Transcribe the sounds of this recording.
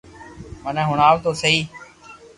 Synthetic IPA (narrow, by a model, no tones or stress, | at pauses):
mənɛ̃ːɦʊɳaːʋt̪oːsəiː